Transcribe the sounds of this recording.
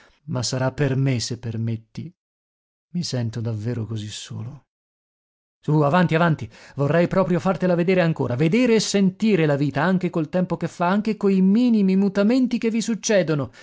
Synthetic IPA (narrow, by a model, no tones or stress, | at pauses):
masːaɾapːermesepːermet̪ːi | misɛnt̪od̪avːeːɾokozisːo̰ːlo | suavant̪iavant̪ivorːɛjpɾɔːpɾjofart̪elaved̪eːɾeaŋko̰ːɾaved̪eːɾeːsːent̪iːɾelaviːt̪aaŋk̟ekolt̪ɛmpokefːaaŋk̟ekojmiːnimimut̪ament̪ikevːisut͡ʃːɛːd̪ono